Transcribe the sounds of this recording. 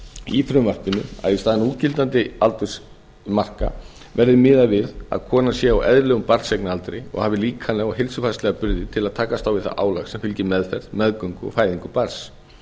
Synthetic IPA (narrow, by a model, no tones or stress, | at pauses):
ifɾʏmvar̥pɪnʏ̰ma̰ðist̪aːðɪnuːt̪cɪlt̪ant̪ɪalt̪ʏ̥s | mar̥ka̰ | vɛɾðɪmɪːðavɪða̰ðkʰɔːnasjɛawɛ̰ðɾlɛːɣʏmpaɾseknɪalt̪ɾejɔ̰ɣhaːvɪliːkʰanɛɔɣɦɪlsʏfast̪lɛɣapʏɾðɪt̪ʰɪlaðt̪ʰaːkast̪awvɪðθa̰ʔa̰ːwlaxsɛmfɪlcɪmɛðfɛɾ̥ðmɛðkœŋkʏɔ̰ɣfaːjðiŋkʏpaɾs